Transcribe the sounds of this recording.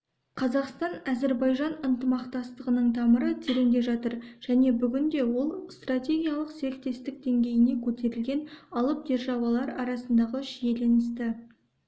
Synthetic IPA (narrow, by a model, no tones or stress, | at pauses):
qʰɑzɑqst̪ɑnæze̞ɾbɑjʒɑnənt̪əmɑqt̪ɑst̪əʁənəɴt̪ʰɑməɾət̪ʰeɾe̞nd̪e̞ʒɑt̪əɾʒ̥æne̞bʏɡʲɪnd̪e̞wo̞lˠst̪rat̪ʲe̞ɡʲijɑlˠəqse̞ɾɪk̚t̪e̞st̪ɪk̚d̪e̞ŋɡʲe̞jɪne̞kʲʰɵt̪e̞ɾɪlɡʲe̞nɑlˠəp̚d̪e̞ɾʒɑwɑlˠɑɾɑɾɑsənd̪ɑʁəʒije̞le̞nɪst̪ɪ